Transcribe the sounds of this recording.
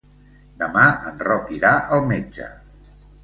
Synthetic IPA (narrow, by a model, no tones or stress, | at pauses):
d̪əmaə̰nrɔkiɾaʔəlˠmed͡ʒə̰